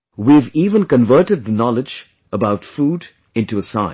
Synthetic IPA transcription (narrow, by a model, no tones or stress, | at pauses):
wiviːvə̃nkə̃nvɜ˞ʈɨd̪̚ðənɔlɪd͡ʒ | əbaʊtfuːd | ɪ̃ntuəsãɪ̃